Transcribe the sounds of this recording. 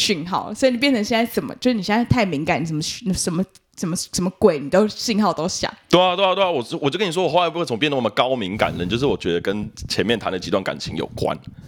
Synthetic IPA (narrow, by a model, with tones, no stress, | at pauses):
ɕy˥˧nxɑ˥˩ʊswɔ˧˥˧n˨˩p̬jɛ˥˩nt͡sʰə˧˦ɕjɛ˥˧nt͡sa˥˩ɪʈ͡ʂə˨˩nmə̰˦t͡ɕjʂɻ̩˥˩i˨˩ɕɛ˧˥t̪ʰa˥˩ɪmi˧˥ŋka˨˩ni˨˩ə˨˩mə˧˦˥n˧˩ʂə˧˥nmə˦ | sə˨˩nmə˦ʂə˧˥nmə˧˦kwe˨˩ɪni˨˩t̪o˥ʊɕy˥˧nxɑ˥˩ʊt̪o˥ʊɕja̰˨˦ŋt̪we˥˩a˧˩we˥˧a˧˩t̪wwɔ˨˩˥wt͡ɕkni˨˩wwxo˥˩la˥pʰŋp̬jɛ˥˨nd̪ə˧˥˩nə˨mə˧kɑ˥˦˥ʊmi˧˥˦ŋka̰˨˩nə˧˦nt͡ɕo˥˧ʊʂ̬ɻ̩˥˩wɔ˨˩t͡ɕɥɛ˧˦d̪ə˧kə˦nt͡ɕʰjɛ˧˦nmjɛ˥˩nt̪ʰa˧˦nd̪ə˩t͡ɕi˧˥t̪wa˥˩nka̰˨˩nt͡ɕʰi˧˦ŋjo̰˨˩ʊkwa̰˦˥n